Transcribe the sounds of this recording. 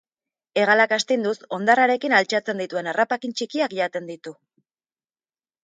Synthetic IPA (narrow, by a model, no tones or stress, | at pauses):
e̞ɣalakast̪ind̪uso̞nd̪araɾe̞kinalt͡ʃat͡se̞nd̪it̪ue̞narapakint͡ʃikiakʝat̪e̞nd̪it̪u